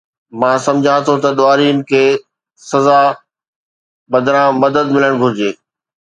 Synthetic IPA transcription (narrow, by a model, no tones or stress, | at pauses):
mãːsɐ̃md͡ʑʱãt̪ʰot̪ɐɗoaːɾiːnɪ̆kʰeː | sɐza | ɓɐd̪ʱɾãmɐd̪əd̪mɪləɽ̃ɡʱʊɾd͡ʑeː